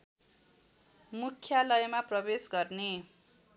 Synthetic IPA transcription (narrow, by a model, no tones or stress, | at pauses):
mukʰːjalʌjmaprʌbesɡʌrne